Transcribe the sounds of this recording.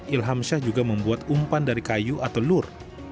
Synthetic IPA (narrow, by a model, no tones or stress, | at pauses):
ilɦamʃahd͡ʒuɡaməmbuat̪umpandaɾikajuʔat̪awlʊr